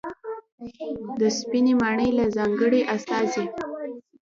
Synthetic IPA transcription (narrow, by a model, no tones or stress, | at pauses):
d̪əspinemɑɳəjlazɑŋɡəɽeʔast̪ɑze